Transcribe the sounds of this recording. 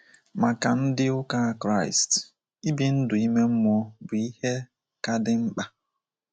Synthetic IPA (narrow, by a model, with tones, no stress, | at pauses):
ma˨ka˨n̩˦dɪ˦ʊ˦ka˦˨kɾa˦˨ɪ̰˨st | i˦bi˦n̩˦dʊ˨i˦me˦m̩˦m˦ɔ˦bʊ˨i˦he˦ | ka˦dɪ˦ŋ͡m̩˦k͡pa˦